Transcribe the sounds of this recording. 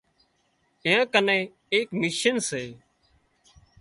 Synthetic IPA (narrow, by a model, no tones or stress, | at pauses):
ɪjãːkənẽː | eːkmiːʃənseː